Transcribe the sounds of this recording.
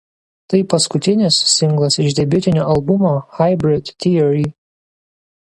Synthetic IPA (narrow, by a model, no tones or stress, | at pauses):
t̪ɐɪpɐskʊt̪ʲɪnʲɪssʲɪŋˑɡlˠɐsɪʒd̪ʲɛbʲʊt̪ʲɪnʲoːʔɐlˠbʊmoːxɐɪbʲɾʲɪd̪ʲt̪ʲiɛɾʲi